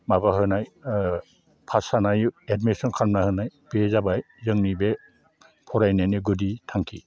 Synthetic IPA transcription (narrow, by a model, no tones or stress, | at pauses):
mabaɦɯnaj | pʰasanajedmesɔnkʰaɾmnahɯnajbezabaj | zɯŋnibe | pʰɔɾajnajnɯɡuditʰaŋkʰi